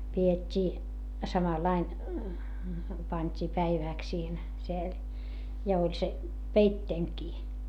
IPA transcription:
pietʲːiː sɑmɑlɑin pɑnʲtʲiː pæiʋæˑks siːhen siel jɑ olʲ se peitːeːŋkiː

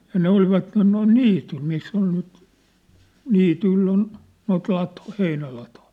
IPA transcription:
jɑ ne olʋɑtːen noin niːtyl misː ol nyt niːtyĭlː on noit lɑtŏĭ heinælɑtoĭ

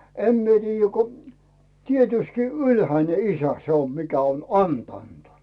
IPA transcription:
em mie tiːjːæ ko tietyski ylhæine isæ se om mikæ on ɑntɑˑnt

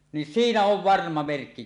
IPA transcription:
nin siːnæ oʋ ʋɑrmɑ merkːi

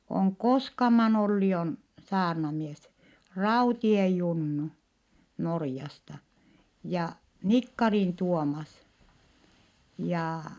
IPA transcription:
oŋ koskɑmɑn olːi on sɑːrnɑmies rɑutie junːu norjɑstɑ jɑ nikːɑrin tuomɑs jɑ

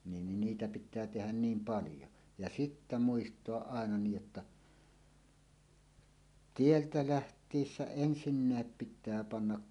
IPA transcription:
nin niːtæ pitˑæː tehæn niːm pɑljo jɑ sitːæ muistoɑʔ ʔɑˑenɑ niːj jotːɑ tieltæ læhtˑiːsːæ ensinːæˑep pitˑæː pɑnːɑk

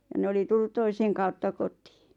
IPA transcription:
jɑ ne oli tulːut toiseŋ kɑutːɑ kotˑi̥ː

